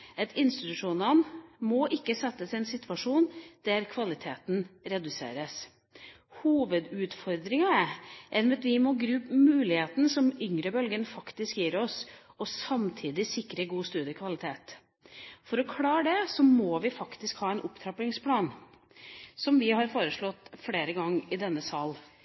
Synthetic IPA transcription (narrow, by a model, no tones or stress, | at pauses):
ɑt̪ɪnst̪ɪt̪ʉʂuːnənmɔʔɪkːəsɛt̪ːəsɛnsɪt̪ʋɑʂuːnd̪̥æɾkʰʋɑlɪt̪ʰeːt̪n̩ɾɛd̪ʉsḛːɾəs | huːʋəd̪ʉːt̪fɔɾd̪ɾɪŋɑʔɛnʋɛt̪ʋɪmɔɡɾʉːpmʉːlɪheːt̪n̩sɔmʏŋɾəbœlɡənfɑkt̪ɪskjiːɾɔsɔsɑmt̪ʰiːd̪ɪsɪkːɾəɡuːst̪ʉːd̪əkʰʋɑlɪt̪ʰeːt̪ | fɔɾɔkʰlɑːɖ̪ɛsɔmɔːʋɪfɑkt̪ɪskhɑːɛɪnʔʊpt̪ʰɾɑplɪŋspʰlɑːn | sɔmʋɪhɑɾfoːɾəʂɭɔt̪ːfɽeːɾəɡɑŋːɪd̪ɛnːəsɑl